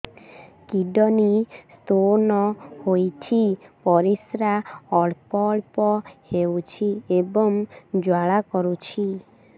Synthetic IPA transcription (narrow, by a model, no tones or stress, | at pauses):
kiɖɔnist̪onɔhojt͡ʃʰipɔɾisɾaɔɭpɔɭpɔhewt͡ʃʰiebɔŋd͡ʒwaɭakɔɾut͡ʃʰi